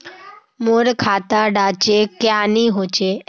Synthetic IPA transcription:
moːɾkʰaːt̪aɖaːt͡ʃekjaːniːɦoːt͡ʃeː

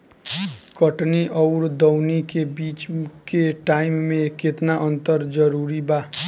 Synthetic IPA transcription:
kʌʈniʔʌwɾd̪ʌwnikebit͡skeʈajmːeket̪naʔʌnt̪ʌɾd͡zʌɾuɾiba

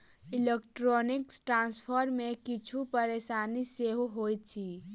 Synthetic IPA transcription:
ɪlekʈɾɔːnɪksʈɾãːnspʰəɾmẽkɪt͡ʃʰupəɾeːʃaːniseɦɦoːjt̪t͡ʃʰi

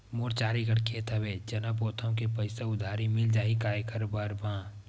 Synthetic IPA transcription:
moːɾt͡ʃaːɾiɡəɽkʰet̪ʰəbed͡ʒənəboːt̪ʰõkepəɪseʊd̪ʱaːɾimɪld͡ʒaːikaːjekəɾbaɾbã

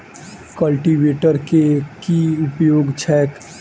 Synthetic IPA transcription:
kəlʈiʋeːʈəɾkekiʊpjoːɡt͡ʃʰɛːk

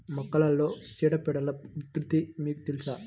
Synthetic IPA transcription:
mɔkːɐlɐlːoːt͡ʃiːɽɐpɛɽɐlɐut̪ɾut̪imiːkut̪ilisaː

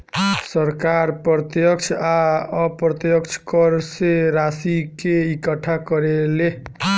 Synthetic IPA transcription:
səɾkaɾpɾɔt̪jək̚t͡ʃʰaʌpɾət̪jəkt͡ʃʰkʌɾseɾasikeikəʈʰakʌɾele

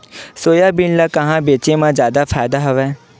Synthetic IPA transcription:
soːjaːbinlaːkəɦãːbeːt͡ʃeːmãːzjaːd̪aːpʰaːɪd̪aɦʊʋɛː

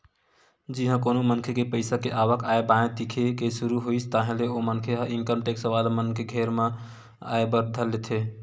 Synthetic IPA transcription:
d͡ʒiɦə̃konomənkʰekepəɪsakeʔabəkaebãẽt̪ikʰekesuɾuɦoisʰt̪aɦẽleomənkʰeɦinkəmʈeksəʋalmənkeɡʱeɾmẽ | a̰ebəɾd̪ʱəlet̪ʰe

